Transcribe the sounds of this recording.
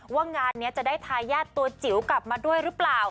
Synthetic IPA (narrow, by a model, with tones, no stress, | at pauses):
waː˥˩ŋaː˧nːi˦˥ɐt͡ɕa˨˩ʔdaː˥˩jt̪ʰaː˧jaː˥˩t̪ːu˧ɐt͡ɕi˩˦wkla˨˩p̚maː˧du˥˩əjɾɯ˦˥plaː˨˩w